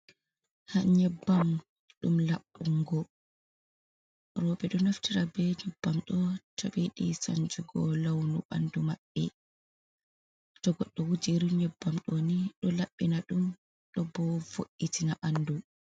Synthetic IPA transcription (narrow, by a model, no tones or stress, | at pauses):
haɲɛbːam | ɗumlaɓːuŋɡɔ | rɔːbɛɗɔnaftiɾabɛɲɛbːamɗɔtʰaɓiɗisa̰nd͡ʒuɡɔlawnuɓa̰ndumaɓːɛ | tɔɡɔɗːɔwud͡ʒiɾiɲɛbːamɗoniɗɔlaɓːinaɗum | ɗɔbɔvoʔːitinaʔanːdu